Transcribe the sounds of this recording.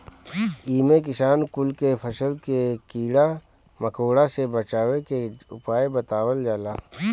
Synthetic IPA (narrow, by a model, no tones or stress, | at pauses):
iːmek̬ɪʃaːnkʊlkepʰəsəlkekiːɽa | məkʰoːɽasebət͡ʃaːwekeʊ̰paːebət̪aːwəld͡ʒaːlaː